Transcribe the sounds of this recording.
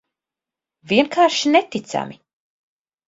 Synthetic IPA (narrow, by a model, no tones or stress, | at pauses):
viɛnkʰaːɾʃinɛt̪it̪sa̰mi